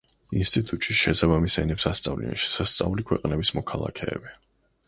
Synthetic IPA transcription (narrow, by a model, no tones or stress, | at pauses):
inst̪ʼit̪ʼut̪ʼt͡ʃʼiʃɛsabamisɛnɛpsast̪sʼavlḭɛnʃɛ̥sast̪sʼa̰ulikʰwɛqʼnɛbismɔkʰalˠa̰kʰɛ̰ːbi